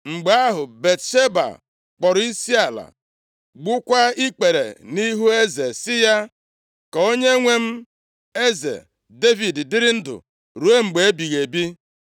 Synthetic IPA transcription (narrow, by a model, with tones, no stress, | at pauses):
ŋ͡m̩˨ɡ͡ba˦ɦʊ˨be˨tʃe˦ba̰˨ | k͡pɔ˨ɾi˦si˦a˨la̰˨ | ɡ͡bʊ˦kʷa˦i˦k͡pe˨ɾḛ˨ni˦ɦu˦e˦ze˨sɪ˦ja˦ | ka˨o˦ɲe˦ŋʷe˦m̩˦ | e˦zḛ˨ | de˦vi˨ddɪ˦ɾɪ˦n̩˦dʊ̰˨ | ɾu˨e˦ŋ͡m̩˨ɡ͡be˨˦bi˨ɣe˨bi˦